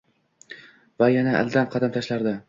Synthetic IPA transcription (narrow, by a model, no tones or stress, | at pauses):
vajanaʔa̰lˠd̪anqʰɑd̪amt̪ʰaʃlaɾd̪a